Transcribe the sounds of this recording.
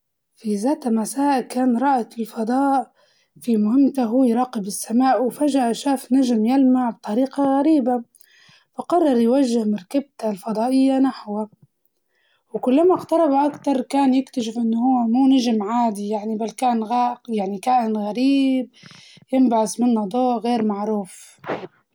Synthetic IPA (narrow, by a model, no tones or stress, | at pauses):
fizaːt̪amasaːʔkaːnɾˤɑːʔaɪlfɑd̪ˤɑːʔ | fimʊhɪmːt̪aɦuːjɾˤɑːqɪbɪsːamaːʔwfaʒaʔaʃaːfnaʒmjalmaʕb̚t̪ˤɑɾiːqɑɣaɾiːba | faqɑrˤːɑɾˤjwaʒːɪhmɑɾkab̚t̪alfɑd̪ˤɑːʔɪjːanaħwa | wkʊlːamaqt̪ɑɾˤɑbaʔakt̪ɑɾˤkaːnjɪkt̪aʃɪfʔɪnːʊhʊwːmuːnaʒmʕaːd̪ijaʕnibalkaːnɣaːʔqjaʕnikaːʔɪnɣaɾiːb̚jɪmbaʕɪsmɪnːad̪ˤoːʔɣeːɾmaʕɾuːf